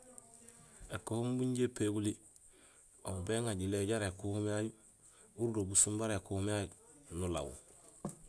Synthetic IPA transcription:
ekohumbuɲɟepeɡuli | obeŋaɟileɟaɾekuhumaju | uɾdobusumbaɾekuhumajunula̰wṵ

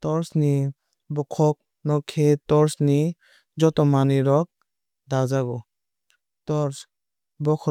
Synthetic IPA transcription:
tɔɾsni | bɔkʰɔk̚ | nɔkʰetɔɾsni | d͡ʒɔtɔmaniɾɔk̚ | dazaɡɔ | tɔɾs | bɔkʰɔ

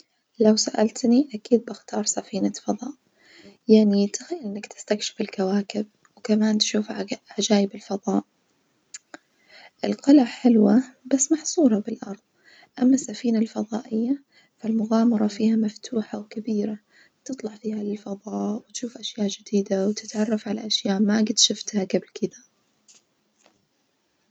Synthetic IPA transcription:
lawsaʔalt̪niʔakiːd̪̚bɪxt̪ɑːɾˤsafiːnafɑðˤɑːʔ | jaʕnit̪axajːalʔɪnːɪkt̪ɪ̥st̪akʃɪ̥fɪlkawaːkɪb̚ | wkamaːnt̪ʃuːfʕad͡ʒaːjɪbɪlfɑðˤɑːʔ | ʔɪlqɪlaħɪlwabasːmɑħsˤuːɾˤɑbɪlʔɑɾˤðˤ | ʔamːasːafiːnalfɑðˤɑ̰ːʔɪjːa | falmʊɣaːmɑɾˤɑfiːhamaft̪ʰuːħawkabiːɾa | t̪ɨt̪ˤlɑʕfiːhalɪlfɑðˤɑːʔwɪt̪ʃuːfʔaʃjaːʔd͡ʒɪd̪iːd̪awt̪ɪt̪ʕɑrˤːɑfʕalaʔaʃjaːʔmaɡɪt̪ʃɪft̪haɡablkʰɪd̪a

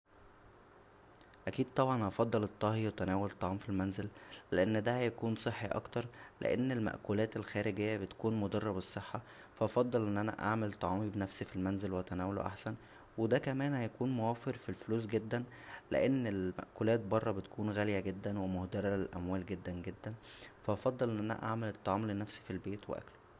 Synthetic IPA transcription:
ʔækiːd̪̥̚t̪ˤɑbʕɑnʔɑfɑd̪ˤːɑlet̪ˤːɑhjwet̪ænæːwolet̪ˤːɑʕɑːmfilmænzelːeʔenːd̪æhæjækuːnsˤeħːiʔɑ̰kt̪ɑɾˤlḛʔḛnːelmæ̰ʔkulæːt̪elxæːɾeɡejːæbet̪kuːnmod̪ɑrˤːɑbesˤːeħːɑ | fæʔɑfɑd̪ˤːɑlʔenːʔænæ̰ʔaʕmelt̪ˤːɑʕɑːmibenæfsifilmænzelweʔæt̪ænæːwolo̰ʔa̰ħsæn | wed̪ækæmæːnhæjækuːnmowæːfeɾfilfoluːs̬ɡed̪ːæn | lḛʔenːelmæ̰ʔkulæːt̪̚bɑrˤːɑbet̪kʰuːnɣæljæɡed̪ːænwemohd̪ɑɾælelʔæmwæːlɡed̪ːænɡed̪ːænfæʔɑfɑd̪ˤːelʔenːʔænæ̰ʔa̰ʕmelet̪ˤːɑʕɑːmlenːæfsi̥filbeːt̪wḛʔæ̰klo̥

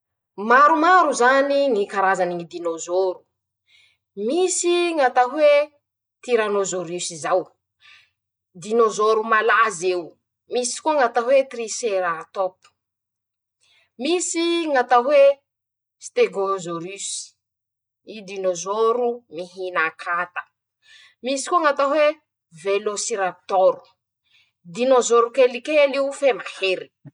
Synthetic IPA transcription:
maɾumaɾuzaniŋikaɾazaniŋid̪inozoɾu | misiŋat̪aɦwe | t̪iɾanozoɾysizaw | d̪inozoɾumalazew | misi̥kuŋat̪aɦwet̪riseɾat̪opu̥ | misiŋat̪aɦwe | st̪eɡozoɾys | id̪inozoɾumiɦinakʰat̪ə̥ | misi̥kuŋat̪aɦwe | velosiɾap̚t̪ɔɾu̥ | d̪inozoɾukelikeliufemaheɾi̥

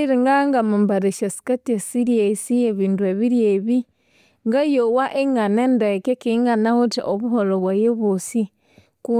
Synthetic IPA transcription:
iɾiŋɡaŋɡamambaɾeʃasi̥katesiɾjesieβiːndueβiɾjeβi | ŋɡajowaʔeŋɡanendekekiŋɡanahutiʔoβuholoβwajeβosi | ku

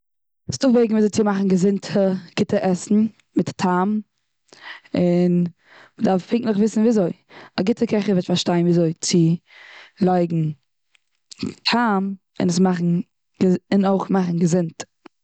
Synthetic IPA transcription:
sdʊχbeɪɡŋ̩vizoɪt͡sɪmaχn̩ɡəzɪntʰəɡ̥ɪtəʔɛsn̩ | mɪttʰam | ɪn | mədaɾffɪŋklɪχvɪsn̩viːazoɪ | aɡɪtʰəkɛχəvɛtfaɾʃtaɪnviːzoɪt͡sɪ | lˠaɪɡŋ̩ | tʰam | ɪ̰nəsmaχn̩ | ɡɪnoɪχmaχn̩ɡəzɪnt

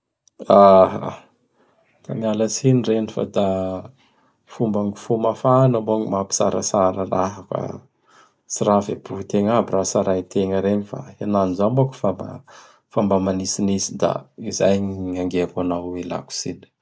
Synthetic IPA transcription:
aa | t̪amialasinirenifa̰d̪a | fumbaŋɡu̥fumafanamboaŋimapi̥sa̰ɾa̰saɾəlaɦaka̰ | siɾavebuɦut̪eŋabirasaɾait̪ʰeŋəɾeɲifa̰enanizamboku̥faba̰ | fambamanisinisid̪a̰izajɲiɲaŋɡeakanawela̰ku̥sini̥

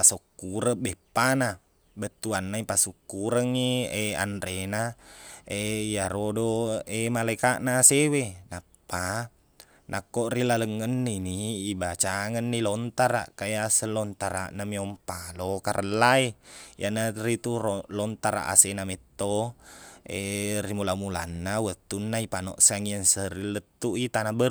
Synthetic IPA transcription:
asokːuɾəbɛpːana | bət̪ːuanːaipasukːuɾəŋːiea̰ndɾena | ejaɾodoemalaikaʔnasewenapːa | nʔakːoʔrilaləŋːənːiniːbat͡ʃaŋənːilɔnt̪aɾa̰ʔkajasəlɔnt̪aɾa̰ʔnamiɔmpalokaɾʔəlːaejanaɾit̪urlɔnt̪aɾa̰ʔa̰senamɛt̪ːo | erimulamula̰nːawət̪ːunːaipanɔ̰ʔsaŋiənsəɾilːət̪ːuʔit̪anabər

